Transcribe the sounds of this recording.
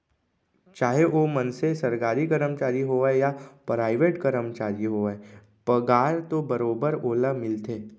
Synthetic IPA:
t͡ʃaːɦeʔoːmənsesɐɾkaːɾikəɾəmt͡ʃaːɾiɦoejapɾaːɪʋeːʈɡəɾəmt͡ʃaːɾiɦoːe | pəɡaːɾt̪obɐɾoːbəɾoːləmɪlt̪eː

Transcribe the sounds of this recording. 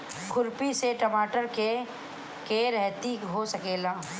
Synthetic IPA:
kʰʊɾpiseʈɐmaːʈəɾke | keɾɛɦt̪iɦosɐkeːlaː

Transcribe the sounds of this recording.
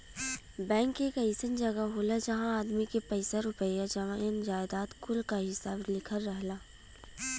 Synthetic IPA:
bɛ̃ːŋkːekɐisənd͡ʒɐɡaɦoːlad͡ʒɐɦãaːd̪mikepɐɪsaɾʊpəjad͡ʒɐʋãɪnd͡ʒaːɪd̪aːt̪kʊlkaɦɪsaːblɪkʰəɾːəɦlaː

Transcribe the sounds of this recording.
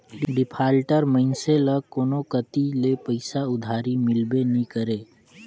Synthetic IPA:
ɖɪpʰaːlʈəɾməɪnseləkoːnokət̪ilepəɪsaʊd̪ʱaːɾimɪlbenĩkəɾeː

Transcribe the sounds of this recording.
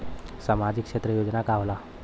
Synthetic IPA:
samad͡ʑikʂet̪ɾəjod͡ʑnakaʋla

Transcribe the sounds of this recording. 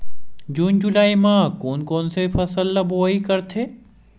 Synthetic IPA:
d͡ʒuːnd͡ʒʊlaːimãːkoːnkoːnsepʰɐsəlːaboikɐɾt̪ʰeː

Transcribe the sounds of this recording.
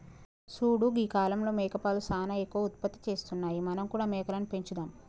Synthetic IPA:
suːɽuɡiːkaːlɐmlo̞ːmɛːkɐpaːlusaːnɐekːuʋɐut̪̚pɐt̪ːi̥t͡ʃe̞ːst̪unːaːjimɐnɐmkuːɽaːmɛːkɐlɐnupe̞ɲt͡ʃud̪aːm

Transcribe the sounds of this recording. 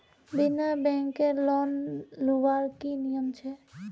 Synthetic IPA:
binabɛŋkeɾlɔnluʋaɾkinijɔmt͡ʃʰe

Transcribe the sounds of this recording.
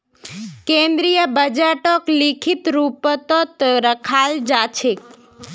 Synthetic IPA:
kẽnd̪ɾijəbəd͡ʒaʈoklikʰit̪ɾupət̪ot̪ɾəkʰald͡ʒat͡ʃʰe

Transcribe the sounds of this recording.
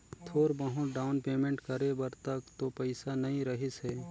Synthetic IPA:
t̪ʰoːɾbɐɦõɖaːʊnpeːmẽɳʈkɐɾebɐɾt̪ɐkt̪opɛɪsanɐɦĩɾɐɦɪsɦɛː

